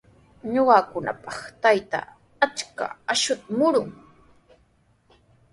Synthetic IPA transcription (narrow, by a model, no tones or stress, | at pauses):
ɲoɢɑːkʊna̰pɑχt̪ajt̪a̰ | at͡ʃka̰aʃʊt̪mʊɾʊŋ